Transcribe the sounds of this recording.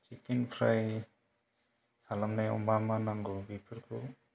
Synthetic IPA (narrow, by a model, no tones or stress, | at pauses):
t͡ʃikenpʰɾaj | sʰalamnajɔ̰mbamanaŋɡubipʰɯɾkʰṵ